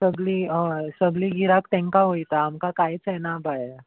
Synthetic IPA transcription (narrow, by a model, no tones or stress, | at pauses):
səɡliːəsəɡliɡʱiɾakt̪ɛ̃ŋkaɦoit̪aːmkakajt͡senabaj